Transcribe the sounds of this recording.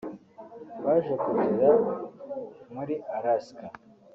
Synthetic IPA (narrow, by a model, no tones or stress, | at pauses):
βaʒekutiɾa | muɾiʔaɾaska